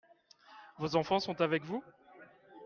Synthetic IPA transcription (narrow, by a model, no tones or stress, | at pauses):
vozɑ̃fɑ̃sɔ̃t̪avɛkvu